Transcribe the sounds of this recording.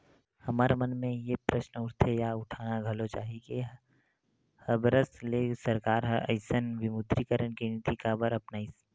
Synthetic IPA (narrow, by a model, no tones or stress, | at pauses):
hɐmaːɾemɐnmẽjepɾəʃnʊɾt̪ʰejaʊʈʰaːnaɡʱəlot͡ʃa̰ːɦike | həbɾəslesəɾkaːɾɦəə̰ɪsənʋɪmʊt̪ɾikəɾəɳkinɪt̪ikabəɾɐpnaːis